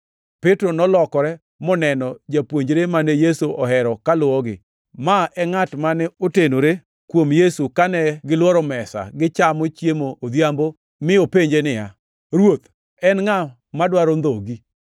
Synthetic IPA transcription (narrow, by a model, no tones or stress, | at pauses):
petɾonɔlɔkɔɾɛ | mɔnɛnɔd͡ʒapwoɲd͡ʒɾemanejesuʔɔɦɛɾɔkalʊɔɡɪ̰ | maɛŋatmanɛotenoɾe | kwomjesukanɛɡɪlwɔɾɔmɛsa̰ɡɪt͡ʃamot͡ʃjemoːd̪jambo | mɪopeɲd͡ʒenɪja | ɾwot̪ | ɛnŋa | madwaɾond̪oɡi